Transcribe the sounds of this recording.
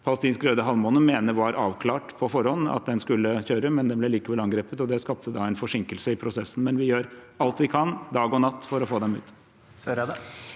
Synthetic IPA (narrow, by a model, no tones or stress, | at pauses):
pʰɑlst̪iːnskɾøːd̪əɦɑlmɔnəmeːnəʋɑɾʔɑːʋkʰlɑːʈpʰɔfɔɾɔnːɑ̰t̪̚d̪ɛnskʉlːəçøːɾəmɛnd̪ɛmblɛliːkəʋɛlɑŋɡɾeːpət̪ɔd̪ɛskɑp̚t̪ʰəd̪ɑæɪnfɔʂɪŋkəlsəɪpʰɾʊsɛsːn̩mɛnʋɪjøːɾ | ɑlt̪ʋɪkʰɑnd̪ɑːɡɔnɑt̪ːfɔɾɔfoːd̪ɛmʉ̰ːt̪ | sœɾəd̪ɛ